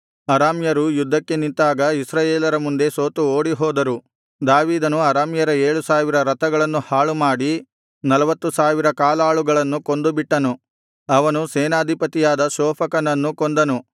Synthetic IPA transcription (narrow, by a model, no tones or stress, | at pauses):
ɐɾaːmjɐɾujud̪ʱːɐkːe̞nint̪ːaːɡɐisɾaːjeːlɐɾɐmund̪e̞soːt̪uoːɽiɦɔːd̪ɐɾu | d̪aːʋiːd̪ɐnuɐɾaːmjɐɾɐeːɭusaːʋiɾɐɾɐt̪ɐɡɐɭɐnːuhaːɭumaːɽi | nɐlɐʋɐt̪ːusaːʋiɾɐkaːlaːɭuɡɐɭɐnːuko̞nd̪ubiʈːɐnu | ɐʋɐnuseːnaːd̪ʱipɐt̪ijaːd̪ɐʃɔːpʰɐkɐnɐnːukond̪ɐnu